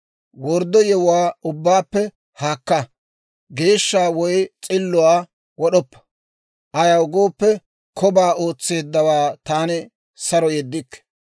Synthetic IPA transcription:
wɔɾd̪ːɔjɛwʊwaːʊbːaːpːɛ | haːkːɐ | ɡe̞ːʃːaːwɔjt͡sʼɪlːʊwaː | wɔɗɔpːɐ̥ | ʔɐjaʊɡoːpːɛ | kʰɔbaːo̞ːt͡sːe̞ːd̪ːɐwaːt̪aːnɪ | sɐɾɔjɛd̪ːɪkːɛ̥

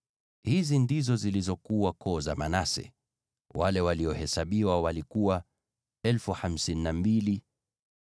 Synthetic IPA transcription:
hizindizɔzilizɔkuwakʰɔza̰manasɛ̰ | walɛwaliɔhɛsaɓiwawalikuwa | ɛlfuham̩sininambili

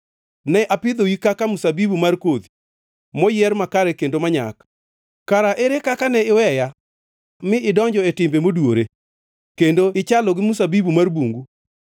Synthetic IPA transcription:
nɛʔapɪd̪owikakamusabibumarkod̪i | mɔjɪɛrmakaɾɛkendomaɲa̰k | kaɾaʔeɾekakanɛɪwɛja | mɪɪdɔɲd͡ʒɔɛtɪmbemodwoɾe | kendoɪt͡ʃalɔɡɪmusabibumarbuŋɡu

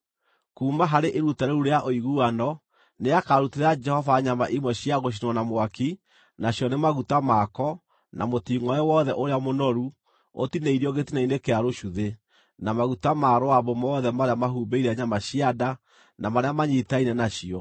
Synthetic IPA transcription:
kuːmaɦaɾeʔeɾutaɾeuɾeaʔoiɣuanɔ | neakaɾuteɾad͡ʒɛhɔvaɲamaʔimwɛɕiaɣoʃ̬inwanamwaki | naɕjɔnemaɣutamaːkɔ | na̰motiːŋɔɛwɔðɛʔoɾeamonɔɾu | o̰tineiɾiɔɣetinainekeaɾoʃuðe | namaɣutamaɾoaβɔmɔːðɛmaɾeamahuːbeiɾɛaɲamaɕiada | namaɾeamaɲitainɛnaɕiɔ

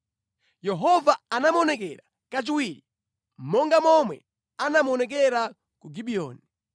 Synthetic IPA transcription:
jɛɦɔvaanamɔnɛkɛɾa | kat͡ʃiwiːɾi | m̩mɔŋɡamɔmwɛ̰ | anamɔnɛk̬ɛɾa | kuɡiɓiɔ̰ːni

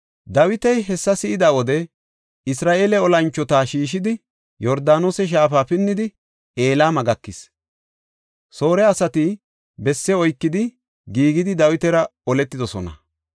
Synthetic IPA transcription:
d̪ɐwɪt̪ɛjɦɛsːɐsɪɪd̪aːwɔd̪ɛ | ɪsɾaːʔe̞ːlɛɔlɐnt͡ʃːɔt̪aːʃiːʃ̬ɪd̪ɪ | jɔɾd̪aːnoːsɛʃ̬aːfaːfɪnːɪd̪ɪ | e̞ːlaːmɐɡɐkːɪs | so̞ːɾɛɐsɐt̪ɪ | bɛsːɛɔjkːɪd̪ɪ | ɡiːɡɪd̪ɪd̪ɐwɪt̪ɛɾɐɔlɛt̪ːɪd̪ɔsɔnɐ̰

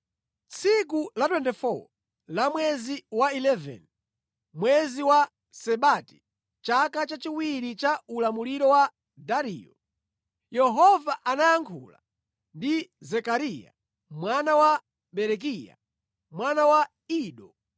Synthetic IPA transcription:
t͡sʰikulatwɛntifɔ | lamwɛziwailɛvɛ̰n | mwɛziwa | sɛɓati̥ | t͡ʃakat͡ʃat͡ʃiwiɾit͡ʃaulamuliɾɔwa | daɾḭːjɔ | jɛɦɔvaʔanajaŋkʰula̰ | ndizɛkaɾija̰ | mwanawa | ɓɛɾɛk̬ija̰ | mwanawa | iːɗɔ

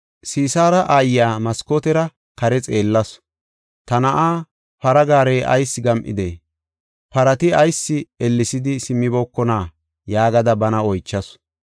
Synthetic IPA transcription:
siːsaːɾɐʔaːjaːmɐskot̪ɛɾɐ | kɐɾɛt͡sʼeːlːɐs | t̪ɐnɐʔaː | pɐɾɐɡaːɾeːʔɐ̰jsːɪɡɐmʔɪ̰d̪eː | pɐɾɐt̪ɪɐjsːɪɛlːɪsɪd̪ɪsɪmːɪboːkːɔnaː | jaːɡɐd̪ɐbɐnɐɔjt͡ʃːɐs

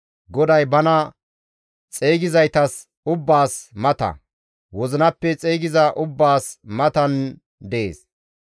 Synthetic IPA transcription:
ɡɔd̪ɐjbɐnɐ | t͡sʼeːɡɪzɐjt̪ɐs | ʊbːaːsmɐt̪ɐ̰ | wɔzɪnɐpːɛt͡sʼeːɡɪzɐʔʊbːaːsmɐt̪ɐn | d̪eḛːs

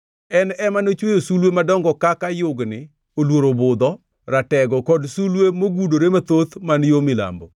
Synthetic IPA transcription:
ɛnɛmanot͡ʃwejosulwemadɔŋɡɔkakajʊɡnɪ | olwoɾobʊd̪ɔ | ɾatɛɡɔkɔdsulwemoɡudoɾemat̪ot̪manjomɪla̰mbɔ

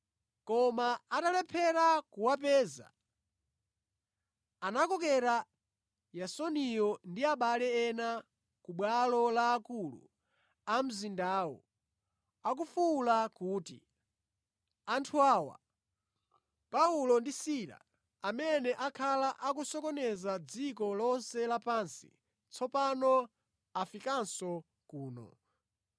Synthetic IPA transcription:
kɔmaatalɛpʰɛɾakuwapɛːza̰ | anakɔkɛɾa | jasɔnijɔndiaɓalɛɛna | kuɓwalɔlaːkulṵ | am̩zindaːwɔ̰ | ak̬ufulakuːtḭ | antʰuaːwa̰ | paulɔndisiɾa̰ | amɛnɛʔakʰalaʔak̬usɔkɔnɛzad͡zikɔlɔnsɛlapaːnsḭ | t͡sʰɔpanɔ | afikansɔ | kuːnɔ̰

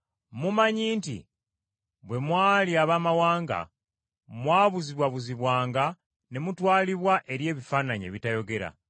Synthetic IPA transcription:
mumaɲiːntḭ | βwe̞mwaːliaβaːmawaːŋɡa̰ | mwaːβuziβwaβuziβwaːŋɡa | ne̞mutwaːliβwaʔeɾje̞ːβifaːnaɲḛβitajo̞ɡe̞ɾa̰

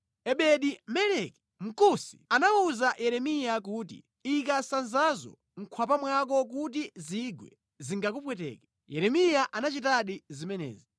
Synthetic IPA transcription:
ɛɓɛɗimɛlɛki̥ | m̩kusi̥anauzajɛɾɛmijak̬uːt̬ḭ | ik̬asanzazɔ̰ | ŋ̩kʰwapamwak̬ɔk̬ut̬iziɡwɛ̰ | ziŋɡak̬upwɛtɛ̰ːkɛ̥ | jɛɾɛmijaʔanat͡ʃitaɗizimɛnɛ̰ːzi

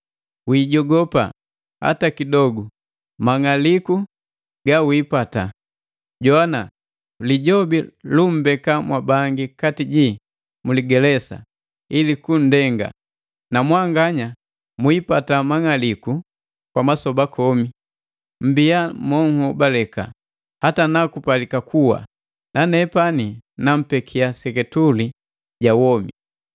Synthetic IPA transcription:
wiːɟɔɡɔpa̰ | ha̰takidɔɡu | maŋaliku | ɡawiːpata̰ | ɟɔana | liɟɔbilum̩bɛkamwabaŋɡikatiɟi | muliɡɛlɛsa̰ | ilikun̩dɛŋɡa̰ | namwaŋɡaɲa | muipatamaŋaliku | kwamasɔbakʰɔmi | m̩biamɔŋhubalɛka̰ | hatanakupalikakʰuwa̰ | nanɛpaninam̩pɛkʰiasɛkɛtuli | ɟawɔmḭ

